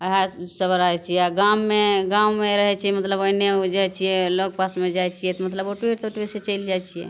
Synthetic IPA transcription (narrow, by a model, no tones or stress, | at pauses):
ɦasəbəɾaɦɛt͡ʃʰijɛaɡamːeɡaumeɾəɦɛt͡ʃʰiɛmət̪ləbəneod͡ʒajt͡ʃʰijɛloɡ̚pasmed͡ʒajt͡ʃʰijɛt̪ɔmət̪ləboʈwiʈt̪oʈweset͡ʃəjld͡ʒajt͡ʃʰijɛ̰